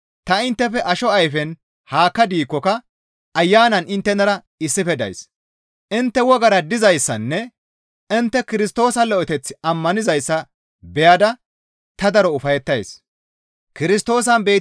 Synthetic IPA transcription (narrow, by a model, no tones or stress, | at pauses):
t̪ɐɪnt̪ːɛfɛʔɐʃɔɐjfɛn | haːkːɐd̪iːkːɔkɐ | ɐjːaːnɐnɪnt̪ːɛnɐɾɐ | ɪsːɪfɛd̪ɐ̰js | ʔɪnt̪ːɛwɔɡɐɾɐd̪ɪzɐjsːɐnːɛ | ɪnt̪ːɛkɪɾɪst̪o̞ːsɐlɔʔɔt̪ɛt͡sːɪɐmːɐnɪzɐjsːɐ | bɛjad̪ɐ | t̪ɐd̪ɐɾɔʊfɐjɛt̪ːɐjs | kɪɾɪst̪o̞ːs̬ɐnbe̞ː